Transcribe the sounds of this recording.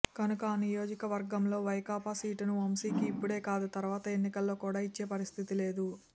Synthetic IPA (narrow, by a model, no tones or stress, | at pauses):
kɐnukɐnijo̞ːd͡ʒikɐʋɐɾɡɐmlo̞ːʋɐjkaːpaːsiːʈunuomsiːkiːpːuɽe̞ːkaːd̪ut̪ɐɾuʋaːt̪ɐe̞nːikɐlːo̞ːkuːɽaːit͡ʃːe̞ːpɐɾist̪ʰit̪ile̞ːd̪u